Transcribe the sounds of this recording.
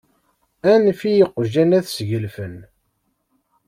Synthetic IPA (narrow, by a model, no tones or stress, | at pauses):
ænfijəqːʒænæθsʝəlfən